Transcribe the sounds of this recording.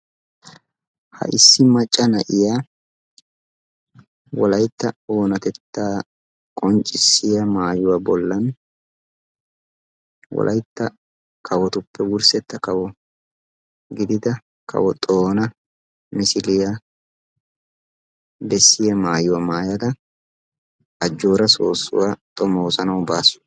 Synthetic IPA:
hɐ̰ʔɪsːɪmɐt͡ʃʼːɐnɐʔɪjaː | wɔlɐjt̪ːɐoːnɐt̪ɛt̪ːaː | kʼɔnt͡ʃʼɪsːɪjɐmaːjʊwaːbɔlːɐn | wɔ̰lʔɐ̰jt̪ːɐ | kʰɐwɔt̪ʊpːɛwʊɾsɛt̪ːɐkɐwɔ | ɡɪd̪ɪd̪ɐ | kʰɐ̰wɔt̪ʼoːnɐ | mɪsɪlɪjɐ | bɛsːɪjɐmaːjʊwɐmaːjɐd̪ɐ | ɐd͡ʒːo̞ːɾɐso̰ːsʊ̰wat̪ʼɔmoːsɐnɐwbaːsʊ̥

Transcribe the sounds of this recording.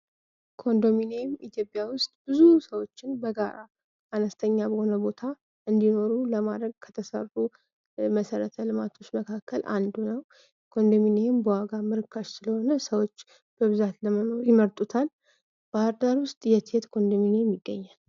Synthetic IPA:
kʰo̞nd̪o̞minejɪmit̪ʰjo̞pʼjawʊst̪ʼb̥ɨzusəwo̞t͡ʃːɪnbəɡaɾaː | nəst̪ʰəɲːabəho̞nəbo̞t̪ʰa | ʔɨnd̪ino̞ɾuləmad̪ɾəɡ̚kʰə̥t̪ʰəsə̰ru | məsəɾət̪ʰəlɨmat̪ʰo̞t͡ʃːməkʰakʰːəlʔa̰nd̪unəw | kʰo̞nd̪ominejɪmbəwaɡamɨɾɨkʰːaʃsɨləho̞nəsəwo̞t͡ʃː | b̥əβɨzat̪ləməno̞ɾjɪməɾt̪ʼut̪ʰal | b̥əɾd̪aɾwʊst̪ʼjɛt̪ʰet̪kʰo̞nd̪o̞minejɛmːiɡːəɲːal

